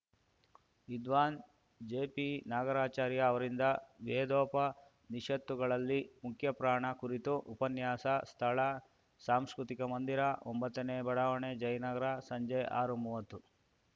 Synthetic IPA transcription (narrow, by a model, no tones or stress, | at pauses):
id̪ʋaːn | d͡ʒeːpinaːɡɐɾaːt͡ʃaːɾjɐːʋɐɾind̪ɐʋeːd̪ɔːpɐ | niʂɐt̪ːuɡɐɭɐlːimukʰjɐpɾaːɳɐkuɾit̪uʔupɐnjaːsɐst̪ʰɐɭɐ | saːmskɾut̪ikɐmɐnd̪iɾɐʔombɐt̪ːɐneːbɐɽaːʋɐɳed͡ʒɐjnɐɡɐɾasɐɲd͡ʒɐjʔaːɾumuːʋɐt̪ːu